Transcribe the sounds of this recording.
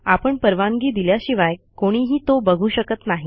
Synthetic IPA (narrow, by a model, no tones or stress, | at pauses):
apəɳpəɾʋaŋɡiːd̪iljaɕiʋaj | koɽ̃iɦiːt̪obəɡʱuːɕəkət̪naɦi